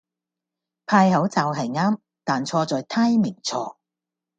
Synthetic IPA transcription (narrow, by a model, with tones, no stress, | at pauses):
pʰaː˧jɦɐ˨˥wt͡saː˨˧wɦɐ˨jŋaː˥m | t̪aː˨˩nt͡sʰɔː˧t͡sɔː˨jt̪ʰaː˥jmɪ˨˩ŋt͡sʰɔː˧